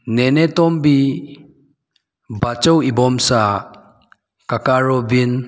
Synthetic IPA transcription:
nenɛt̪ɔmbi | bat͡ʃɔwibɔmsa | kakaɹɔbin

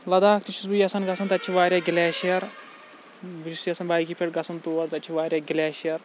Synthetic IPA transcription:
lɐd̪aːkʰt̪it͡ʃʰusbujɐsɐnɡɐsɐmt̪ɐtːt͡ʃʰiʋaːɾʲjaːɡʲɪlɛːʃijɐɾ | biisijɐsɐnbaːikipʰʲeʈɡɐsɐmt̪oːʋɐɽt̪ɐt͡ʃʰiʋaːɾʲjaːɡɪlʲɛːʃjɐɾ

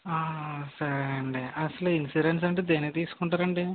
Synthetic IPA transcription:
aːsɐɾɳɖeʔɐsiluinsiɖensɐɳɖid̪eːnet̪iːsu̥kuɳʈaːɾɐɳɖi

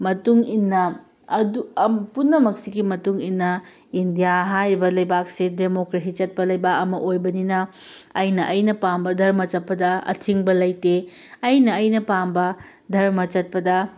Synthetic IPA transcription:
mɐtuŋinːɐ | ɐdupunːɐmɐk̚siɡimɐtuŋinːɐ | indijaɦajɾibɐlɐjbak̚sedemokɾes̬it͡ʃɐt̚pɐlɐjbakɐmɐʔojbɐninɐ | ɐjnɐʔɐjnɐpambɐdʱɐɾmɐt͡ʃɐt̚pɐdɐɐ̰tʰiŋbɐlɐjte | ɐjnɐːjnɐpambɐ | dʱɐɾmɐt͡ʃɐt̚pɐdɐ

